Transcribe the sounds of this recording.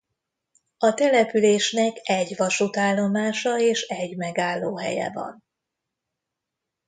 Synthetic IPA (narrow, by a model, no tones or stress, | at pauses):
ɒt̪ɛlɛpyleːʃnɛkɛɟʋɒʃut̪aːlːo̞maːʃɒeːʃɛɟmɛɡaːlːoːɦɛ̰jɛ̰vɒ̰n